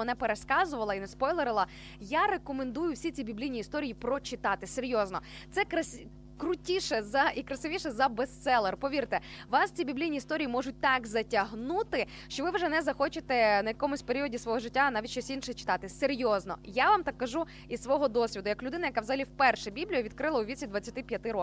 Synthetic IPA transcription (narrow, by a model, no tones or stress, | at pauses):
ɔnɛpeɾeskɑzʊʋɐlˠɐinɛspɔjlˠeɾɪlˠɐ | jaɾekɔmend̪ujʊwsʲit͡sʲibʲiblʲijnʲiːst̪ɔɾʲijipɾɔt͡ʃɪt̪ɑt̪ɪseɾʲjɔznɔ | t̪sɛkɾɐsʲ | kɾʊtʲiʃɛzɐikɾɐsɪʋʲiʃɛzɐbest̪sɛlˠɛrpɔʋʲirt̪ɛ | ʋɑst͡sʲibʲiblʲijnʲiːst̪ɔɾʲijimɔʒʊt̚ʲt̪ɑkzɐtʲɐɦnut̪ɪ | ʃt͡ʃɔʋɪʋʒɛnɛzɐxɔt͡ʃɪt̪ɛnɐjɐkɔmʊsʲpeɾʲiɔdʲisʋɔɦɔʒɪtʲːanɑʋʲit̚ʲʃt͡ʃɔsʲinʃɛɛt͡ʃɪ̥t̪ɑt̪ɪseɾʲjɔznɔ̰jaʋamt̪ɑkːɐʒu | isʋɔɦɔd̪ɔsʲʋʲid̪ʊjɐklʲʊd̪ɪnɐjɐkawzɐɦɐlʲiwpɛrʃɛbʲiblʲijʊʋʲid̪̚kɾɪlˠɐʊʋʲisʲid̪ʋɐt͡sʲːɐt̪ɪpʲjɐt̪ɪɾɔ